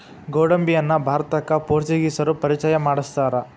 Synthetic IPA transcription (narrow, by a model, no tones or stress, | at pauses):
ɡoːɽɐmbijɐnːɐbʱaːɾɐt̪ɐkːɐpoːɾt͡ʃiɡisɐɾupɐɾit͡ʃɐjɐmaːɽist̪aːɾɐ